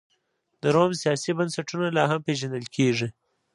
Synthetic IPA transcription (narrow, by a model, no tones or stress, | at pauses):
d̪əɾomsijɑsibansaʈunalɑɦampeʒand̪əlkʰeʐi